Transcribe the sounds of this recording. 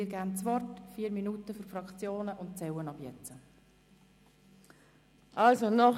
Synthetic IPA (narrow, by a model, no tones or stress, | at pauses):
iːɡænt͡sʋɔrtfiːəɾminuːtəfyɾfɾɑkt͡sjoːnəʔʊntt͡sɛwənɑbjɛt͡sə | ʔɑlsonɔ